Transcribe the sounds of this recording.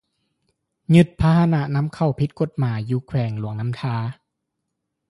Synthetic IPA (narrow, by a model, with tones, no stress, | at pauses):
ɲɯ˧t̪̚pʰa˦˧˥ha˧na˧na˦˥mkʰa˧˩wpʰi˧˥t̪̚ko˧˩t̪̚maː˩˦jjuː˧˦kʰwɛː˨˩˦ŋlu˨˦əŋna˦˥mt̪ʰaː˦˥